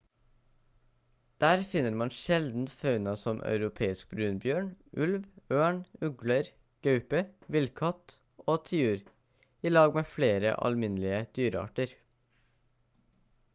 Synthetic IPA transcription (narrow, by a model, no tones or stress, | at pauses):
d̪̥æːɾfɪnəɾmɑnʃɛld̪n̩fɑʉnɑsɔmʔœ̰ʉɾʊpʰeːɪsk̚bɾʉːnbjøːɳʔʉlʋøːɳʉɡləɾ | ɡ̥œʉpəʋɪlkʰɑt̪ | oːt̪ʰɪʉːɾ | iːlɑːɡmeːfleːɾə̰ʔɑ̰lmɪnlɪəd̪̥yːɾəɑ̰ːʈəɾ